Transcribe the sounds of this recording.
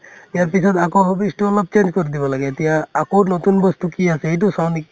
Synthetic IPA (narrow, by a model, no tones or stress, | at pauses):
ijaɹp̬isɔd̪akoɦɔbisʈuɔlɔb̚t͡ʃend͡ʒkoɾid̪ibɔlaɡɛːt̪ijaːkonot̪unbɔst̪ukiasɛejt̬usawnik